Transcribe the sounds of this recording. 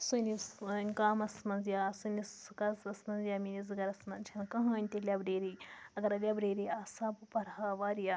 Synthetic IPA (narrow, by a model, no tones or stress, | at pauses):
sunisnʲkaːmɐsmɐnzjasuniskɐzɐsmɐnzjaminizɨɡɐɾɐsmɐnt͡ʃʰɐnkɐ̃ɦɐːnʲt̪ilʲabɾeːɾiɐɡɐɾɐlʲjabɾeːɾiaːsabpɐɾɦaʋaːɾja